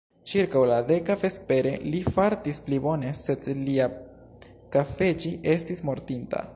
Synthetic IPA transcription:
t͡ʃiɾkawlade̞kafespe̞ɾe̞̰lifaɾtisplibo̞ne̞se̞dlia | kafe̞d͡ʒiʔe̞stismo̞ɾtinta̰

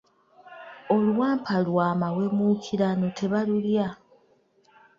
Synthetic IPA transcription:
o̞lwaːmpʰalwaːmawe̞mukʰiɾano̞tʰe̞βalulja

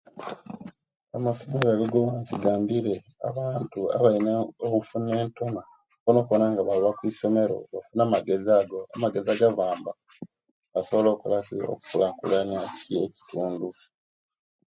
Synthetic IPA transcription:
amaso̞me̞ɾoaβiɡoβaːnsiɡaːmbiɾe̞ | a̰βaːntua̰βaineokufune̞ːnto̞na | konoknaŋɡaβaloβakwiso̞me̞ɾo̞̰βafunamaɡe̞zaːɡo̞amaɡe̞zaɡaβaːmba | βaso̞βo̞lo̞ːkulakio̰ku̥kulaːŋkṵlanacieci̥tuːndu

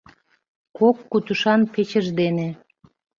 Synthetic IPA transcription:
kokːut̪uʃɑnpet͡ɕəʒd̪ene

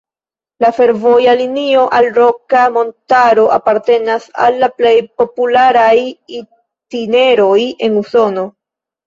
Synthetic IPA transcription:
lafe̞ɾvo̞jalinio̞ʔalɾo̞kamo̞ntaɾo̞ʔapaɾte̞nasa̰lːaple̞jpo̞pulaɾaji | tine̞ɾo̞je̞nuso̞no̞

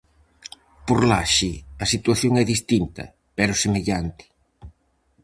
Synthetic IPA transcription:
poɾlaʃiɐsit̪waθjoŋɛðist̪int̪ɐ̰ | pɛɾʊsemeʎant̪ɪ̥

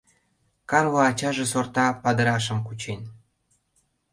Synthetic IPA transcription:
kɑrβoɑt͡ɕɑʒesort̪ɑpɑd̪ə̆ɾɑʃ̬ə̆mkut͡ɕen

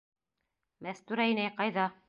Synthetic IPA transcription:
mæθt̪ʉɾæjnæjqɑjðɑ

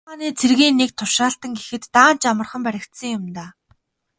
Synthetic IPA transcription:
aːniːt͡sʰerɣiːnːek̚t̪ʰʊʃaːɬt̪ə̆ŋɡexɘ̆t̪ːaːn̥t͡ɕamə̆rχə̆mpæɾʲɪ̆kt̪sə̆ŋjʊmt̪aː

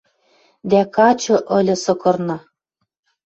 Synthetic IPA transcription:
d̪ækɑt͡ɕɤ̆ʔɤ̆lʲɤ̆sɤ̆kɤ̆rnɤ̆

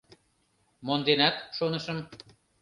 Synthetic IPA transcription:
mond̪enæt̪ʃonəʃəm

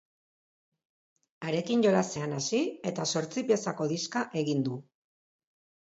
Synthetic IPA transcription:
aɾe̞kinʝo̞ɾase̞anasie̞t̪aso̞ɾt͡sipie̞sako̞ðiskaʔe̞ɣind̪u

